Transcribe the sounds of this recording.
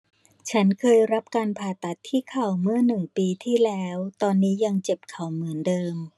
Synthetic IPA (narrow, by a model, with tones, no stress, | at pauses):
t͡ɕʰa˦˥nkʰɤː˧jɾa˦˥p̚kaː˧npʰaː˨˩t̪a˨˩t̪ʰːiː˥˩kʰa˨˩wmɯ˥˩ɐnɯ˨˩ŋpiː˧t̪ʰiː˥˩lɛː˦˥wt̪ɔː˧nːiː˦˥ja˧ŋt͡ɕe˨˩p̚kʰa˨˩wmɯ˩˦ndɤː˧m